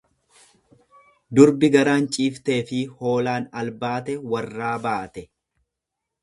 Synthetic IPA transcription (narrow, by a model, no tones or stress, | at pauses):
d̪ʊɾbɪɡɐɾaːnt͡ʃʼiːft̪e̞ːfɪho̞ːlaːnɐlbaːt̪ɛwɐrːaːbaːt̪ɛ